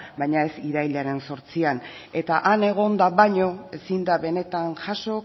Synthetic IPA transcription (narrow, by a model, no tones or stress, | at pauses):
bajɲae̞siðajʎaɾe̞nso̞ɾt͡sian | e̞t̪aʔane̞ɣ̞o̞nd̪aβaɲo̞e̞sind̪aβe̞ne̞t̪anʝaʃo̞